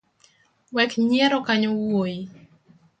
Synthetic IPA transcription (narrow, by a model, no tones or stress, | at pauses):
wɛkɲɛɾɔkaɲowoji